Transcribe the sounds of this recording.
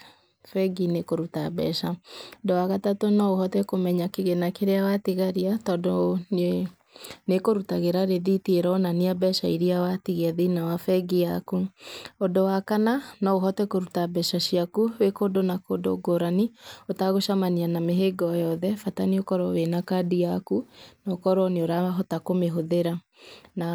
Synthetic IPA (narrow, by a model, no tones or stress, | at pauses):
fɛɡinekoɾutabɛ̰ʃandɔwaɣatatonɔoɦɔtɛkomɛɲakeɣɛnakeɾeawatiɣaɾiatɔdo | nekoɾutaɣeɾaɾeðitieɾɔnaniabɛʃaiɾiawatiɣeaðinawafɛɡiakuɔdowakananɔoɦɔtɛkoɾutabɛʃaɕiakuwekodonakodo̰ɡoɾaniotaɣoʃamanianameɦeɡɔjɔðɛfataniokɔɾɔwenakadiakunɔkɔɾɔneoɾaɦɔtakomeɦoðeɾa | na